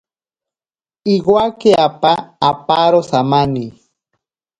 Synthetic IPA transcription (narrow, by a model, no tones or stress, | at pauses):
iɡwakeapaːpaɾosamani